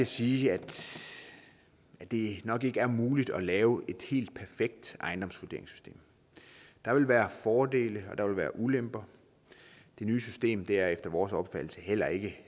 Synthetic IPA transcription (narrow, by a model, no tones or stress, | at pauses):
æsiːæd̥ | æd̥e̝nɒ̽ɡ̥e̝ɡ̥əæɐmuːlid̥ɒ̽lɛːʊʔe̝d̥he̝̰ːld̥̚pʰæɐfeɡ̥̚d̥ʔɑ̈ɪndɒ̽msʋode̝ɐeŋsy̥sd̥e̝̰ːm | d̥ɑ̈ʋe̝lʋæːɐfɒːd̥e̝̰ːləɒ̽d̥ɑ̈ʋe̝lʋæːɐʔulemb̥ɐ | d̥e̝nyːsysd̥e̝̰ːmd̥e̝æɐefd̥ɐʋɒːsɒ̽b̥fæd̥l̩səhel̰ɐe̝ɡ̥ə